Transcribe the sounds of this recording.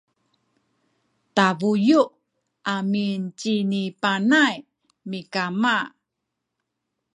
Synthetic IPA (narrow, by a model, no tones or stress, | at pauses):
tavuju | amint͡ɕinipanaj | mikama